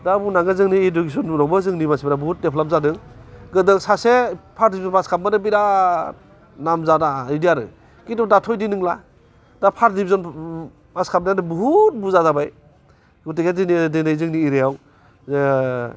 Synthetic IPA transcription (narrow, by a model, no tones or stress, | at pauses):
dabunaŋɡɯzɯŋniiduɡisɔnɾɔbɯzɯŋnimasibɾabuɦut̚depʰlap̚zadɯŋɡɯdɯŋsasepʰaɾ̚dibizɔnpaskʰap̚manɯbiɾa | namzadaidijaɾɯ̰ | kitɔdatʰɔjdinɯŋla | dapʰaɾ̚dibizɔn | paskʰap̚naadɯbuɦut̚buzazabaj | ɡutiɡadinidinajzɯŋniːɾejaw | z